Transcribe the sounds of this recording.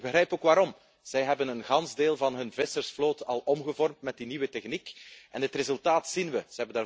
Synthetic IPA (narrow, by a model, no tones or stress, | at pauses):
ɡ̚bəxrɾɛjpoːkʋaːɾɔm | z̥ɛjɦɛbənənɣɑnzdeːlˠvɑnɦɵnvɪsərsfloːtɑlˠɔmɣəvɔrmtmɛt̚diniwətɛxnikʔɛnətrezɵlˠtaːtsinʋəz̥əɦɛbəndaː